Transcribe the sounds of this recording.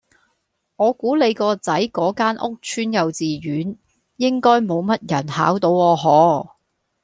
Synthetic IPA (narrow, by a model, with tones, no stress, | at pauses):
ŋɔː˨˧kuː˨˥le˨˧jkɔː˧t͡sɐ˨˥jkɔː˨˥kaː˥nʔʊ˥k̚t͡ʃʰyː˥njɐ˨˧wt͡siː˨˧ɥyː˨˥n | jɪ˥ŋkɔː˥jmo˨˧wmɐ˥t̚jɐ˨˩nhaː˨˥wt̪o˨˧wɔː˨˧ɦɔː˨˧